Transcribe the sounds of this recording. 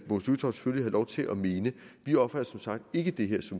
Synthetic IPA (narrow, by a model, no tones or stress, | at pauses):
mosut͡sʰɒʊse̥føllihɑlɒʊt͡sʰe̝lʔɒme̝ːnəʋiɒ̽b̥fʁæɐsɒ̽msɑ̈ɡ̥̚d̥e̝ɡ̥əd̥e̝ɦeɐ̰sɒ̽m